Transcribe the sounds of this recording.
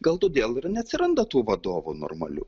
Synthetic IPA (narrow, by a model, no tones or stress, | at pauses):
ɡɐlˠt̪oːd̪ʲeːlˠɪɾnʲɛɐt̪ʲsʲɪɾɐnd̪ɐt̪uːʋɐd̪oːʋṵno̰ːrmɐ̰lʲṵː